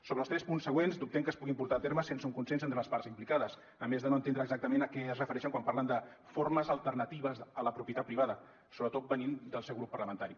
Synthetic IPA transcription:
soβɾəlˠst̪ɾɛspunsːəɣwenzd̪up̚t̪ɛŋkəspuɣimpuɾt̪aːt̪eɾməsensəuŋkunsenzent̪ɾələsparzimplikaðəs | əmezðənoənt̪end̪ɾəːɡzak̚t̪əmenəkɛəzrəfəɾɛʃəŋkwampaɾrlənd̪ə | forməzəlˠt̪ərnət̪iβəzələpɾupjət̪at̪̚pːɾiβaðə | soβɾət̪ot̪̚bənind̪əlˠsɛwɣɾupːərləmənt̪aɾi

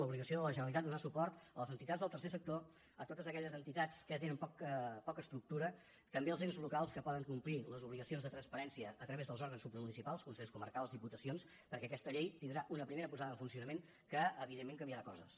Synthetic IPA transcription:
əuβliɣəsioðələʒənəlit̪at̪d̪unasupɔɾt̪ələzənt̪it̪ad͡zðəlˠt̪əɾrsesək̚t̪o | ət̪ot̪əzəkɛʎəzənt̪it̪at͡skət̪enəmpɔkəpɔkəst̪ɾuk̚t̪uɾə | kəmbiəlˠzenzlukalˠskəpɔðəŋkumpliləzuβliɣəsionzðət̪ɾənspəɾɛnsiəːt̪ɾəβezðəlˠzɔɾɣənsupːɾəmunisipalˠskunsɛʎskumə̰ɾkalˠzðiput̪əsions | pəɾkɛəkɛst̪əʎejt̪ind̪ɾaʔunəpɾimeɾəpuzaðəɱfunsiunəmeŋ | kəːβiðemːẽŋk̬əmbiəɾakɔzə̰s

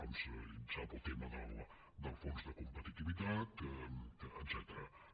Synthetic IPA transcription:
omsəinsap̪əlˠt̪ɛməd̪əlˠ | d̪əlˠfonzd̪əkumpət̪it̪iβit̪at̪ | ət̪sɛt̪əɾa

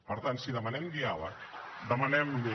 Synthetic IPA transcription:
pəɾt̪ansiðəmanɛmɡiawa̰ | d̪əmanɛm

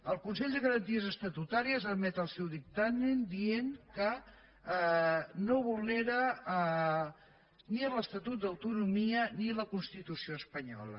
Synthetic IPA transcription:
əlˠkunsɛʎd̪əɣəɾənt̪iəzəst̪ət̪ut̪aɾiəzəmɛt̪əlˠsɛwðik̚t̪amend̪ieŋkə | noβuleɾə | niələst̪ət̪ut̪̚d̪əwt̪unumiəniləkunst̪it̪usioəspəɲɔ̰lə̰

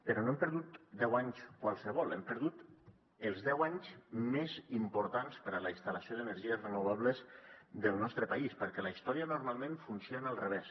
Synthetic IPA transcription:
pəɾɔnoɛempəɾðut̪d̪ɛwaɲskwalˠsəβ̞ɔlˠɛmpəɾðut̪ | əlˠzðɛwaɲzmezimpuɾt̪anspəɾələist̪aləsioðənəɾʒiəzrənuβaβləzd̪əlˠnɔst̪ɾəpaispəɾkɛləist̪ɔɾiənuɾmalˠmẽnfunsjoənalˠreβɛs

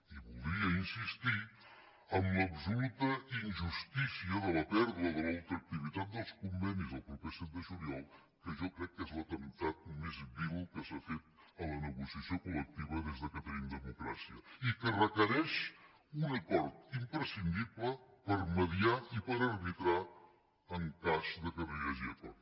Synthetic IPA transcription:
iβulˠd̪ɾiəinsist̪i | əmləpsulut̪əinʲʒust̪isiəðələpɛɾðəðəlalˠt̪ɾək̚t̪iβ̞it̪at̪̚d̪əlˠskumbɛnizðəlˠpɾupəsen̚d̪əʒuniɔlˠ | kəʒɔkɾɛkːɛzlət̪ənt̪at̪̚mezβilukəsafet̪̚ələnəɣusiəsjokulək̚t̪iβ̞əðezðəkət̪əɾind̪əmukɾa̰siəikərəkəɾɛʃ | unəkɔɾt̪̚impɾəsind̪iβləpəɾməðiaipəɾəɾβit̪ɾa | əŋkazðəkəriəʒɛt̪ə

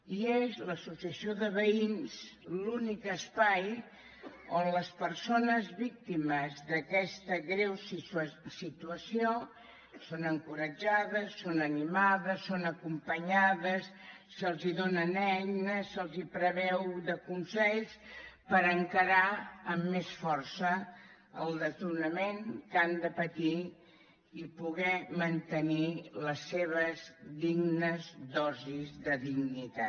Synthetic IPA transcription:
iezləsusiəsioðəβəinzlunikəspaj | onləspəɾsonəzβik̚t̪iməzðəkɛst̪əɣɾewssit̪uəsio | sonəŋkuɾəd͡ʒaðəsːonənimaðəsːonəkumpəɲaðəsː | əlˠziðonənɛjnəsəlˠzipɾəβɛwðəkunsɛʎspəɾəŋkəɾaəmːesfɔrsə | əlˠd̪ət̪urnəmeŋkand̪əpət̪i | ipuɣɛmənt̪əniləsːeβəzðiɡnəzd̪ɔzizðəðiɡnit̪a

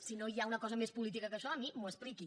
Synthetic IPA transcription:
sinoiaunəkɔzəmespulit̪ikəkəʃɔmimuəspliki

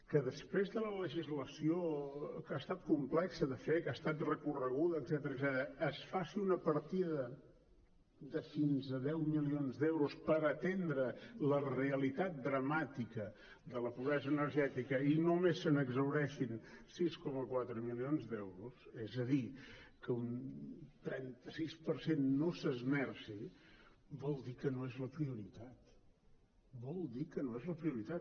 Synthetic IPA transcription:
kəðəspɾezðələləʒizləsiokast̪at̪̚kumplɛksəðəfekast̪at̪rəkurəɣ̞uðəːdz̥ɛt̪əɾəɡzɛt̪əɾəːsfasiunəpəɾt̪iðə | ðəfinzəðɛwmilionzd̪ɛwɾuspəɾət̪end̪ɾələreəlit̪at̪̚d̪ɾəmat̪ikə | d̪ələpuβɾɛzəːnəɾʒɛt̪ikəinomesːənəɡzəwɾɛʃinsiskɔməkwat̪ɾəmilionzd̪ɛwɾusɛzəðikəunt̪ɾɛnt̪əsispəɾsenːosəzmɛrsi | bɔlˠd̪ikənoezləpɾiuɾit̪at̪ | bɔlˠd̪ikənoezləpɾiuɾit̪at̪

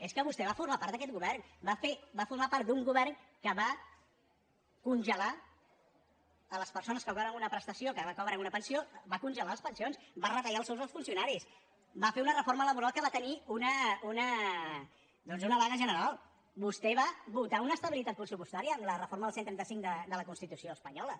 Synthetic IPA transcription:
eskəβust̪ɛβafurmapaɾt̪əkɛt̪̚ɡuβɛrnbafebafuɾmapart̪̚d̪uŋɡuβɛrnkəβa | kunʒəla | ələspəɾsonəskəɣɔβɾənunəpɾəst̪əsiokəβakɔβɾəunəpənsiobakunʒəlaləspənsionsbarət̪ajaəlˠsowzəlˠsfunsiunaɾis | bafeunərəformələβuɾalˠkəβat̪əniunəunə | d̪ɔnzunəβaɣəʒənəɾalˠ | bust̪ɛβaβut̪aunəst̪əβilit̪at̪̚pɾəsupust̪aɾiəːmlərəforməðəlˠsent̪ɾɛnt̪əsiŋkd̪əd̪ələkunst̪it̪usioəspəɲɔlə

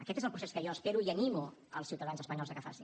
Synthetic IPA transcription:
əkɛt̪ezəlˠpɾuseskəjɔəspeɾuiənimuə̰lˠsiwt̪əðanzəspəɲɔlzəkəfa̰sin

